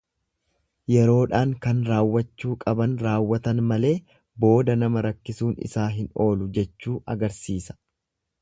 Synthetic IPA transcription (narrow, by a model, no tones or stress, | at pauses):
jɛɾo̞ːᶑaːŋkɐnɾaːwːɐt͡ʃːuːkʼɐbɐnɾaːwːɐt̪ɐnmɐle̞ː | bo̞ːd̪ɐnɐmɐɾɐkːɪsuːnɪ̰saːɦɪno̞ːlʊd͡ʒɛt͡ʃːuːʔɐɡɐɾsiːsɐ̥